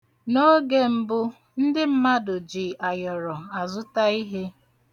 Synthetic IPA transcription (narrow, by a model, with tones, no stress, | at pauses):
no˦ɡe˦m̩˦bʊ˦ | n̩˦dɪ˦m̩˦ma˦dʊ˨d͡ʒi˨a˨jɔ˨ɾɔ˨a˨zʊ˦ta˦i˦ɦe˦